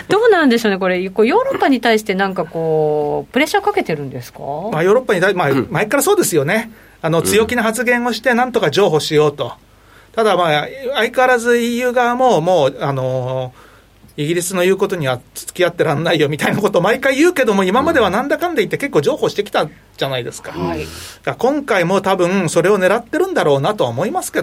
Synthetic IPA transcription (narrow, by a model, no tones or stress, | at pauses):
d̪̥o̞ːnaɯ̃nd̪e̞ɕo̞ːneko̞ɾe̞kojo̞ːɾo̞pːaɲ̟it̪aiɕi̥t̪e̞nãŋkako̞ːp̟ɾe̞ɕakake̞t̪e̞ɾɯ̟̃nd̪e̞sɨ̥kamajo̞ːɾo̞pːaɲ̟it̪aimamaekaɾaso̞ːd̪e̞sɨjo̞ne̞ | ano̞t͡sɨjo̞kʲinaɦat͡sɨɡẽ̞ɰ̃o̞ɕi̥t̪enãnt̪o̞kad͡ʑo̞ːɦo̞ːɕijo̞ːt̪o̞ | t̪ad̪amaaikaaɾazɨijɯ̟ːɡaamo̞ːmo̞ːano̞ | iɡʲiɾʲisɨno̞jɯ̟ːko̞t̪o̞ɲ̟iβat͡sɨ̥t͡sɨ̥kʲiat̪ːe̞ɾãnːaijo̞mʲit̪ainako̞t̪omaikaijɯːke̞d̪o̞mo̞imamad̪e̞β̞anãnd̪akãnd̪eit̪ːeke̞kːo̞ːd͡ʑo̞ːho̞ːɕi̥t̪ekʲi̥t̪a | d͡ʑanaid̪e̞sɨ̥kad̪̥akõ̞ŋkaimo̞ːt̪abɯ̟̃ŋso̞ɾe̞o̞ne̞ɾat̪ːe̞ɾɯ̟̃nd̪aɾo̞ːnat̪o̞aomo̞imasɨ̥ke̞